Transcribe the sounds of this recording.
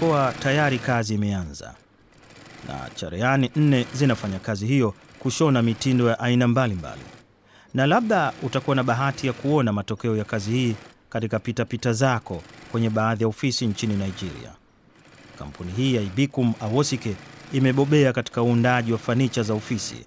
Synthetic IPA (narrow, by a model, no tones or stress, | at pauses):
kuatajaɾikaziːmɛanza̰ | na̰t͡ʃa̰ɾɛanin̩nɛzinafaɲakaziɦijɔ | kuʃɔnamitindɔjaʔainambalimba̰lḭ | nalaɓɗautakuwanaɓaɦatijakuɔnamatɔkɛɔjakazihiː | katikapitapitazakɔkwɛɲɛɓaːðijaɔfisiɲt͡ʃininaid͡ʒiɾḭa̰ | ka̰m̩pʰuniɦiːjaiɓikumawɔsikɛimɛɓɔɓɛakati̥kauːndaʄiwafanit͡ʃazaɔfisḭ